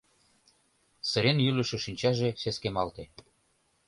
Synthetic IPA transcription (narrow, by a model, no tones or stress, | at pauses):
sə̆ɾenjylə̆ʃĕʃinʲt͡ɕɑʒeseskemɑlt̪e